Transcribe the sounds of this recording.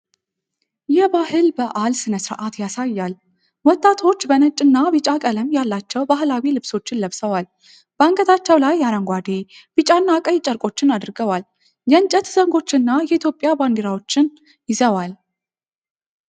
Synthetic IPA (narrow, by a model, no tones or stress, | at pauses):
jɛbahɨlbəʔalsɨnəsɾʔat̪jasajːal | wɔt̪ʼːat̪ʰo̞t͡ʃːbənət͡ʃʼːɨnːabɨt͡ʃʼakʼələmjalːat͡ʃːɛwbahlawilɨβso̞t͡ʃːɪnləβsəwal | b̥əaŋkʼət̪ʰat͡ʃːɛwlajːaɾəŋɡʷad̪e̞ | b̥ɨt͡ʃʼanːakʼəjt͡ʃʼəɾkʼo̞t͡ʃːɪnad̪ɾɡəwal | jɛɨnt͡ʃʼət̪zəŋɡo̞t͡ʃːɪnːajɛit̪ʰjo̞pʼjaband̪iɾawo̞t͡ʃːɪn | jɪzəwal